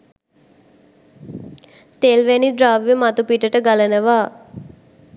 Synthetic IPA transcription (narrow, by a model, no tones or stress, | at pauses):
t̪eːlʋɛnidɾaːʋjemat̪upiːʈəʈəɡɐlənəʋaː